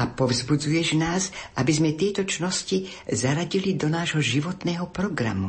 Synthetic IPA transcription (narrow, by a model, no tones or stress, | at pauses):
apɔvzbud͡zujɛʒnaːzabizmɛt̪ɛjt̪ɔt͡ʃnɔsci | zaɾaɟilid̪ɔnaːʒɦɔʒiʋɔt̪nɛːɦɔpɾɔɡɾa̰mu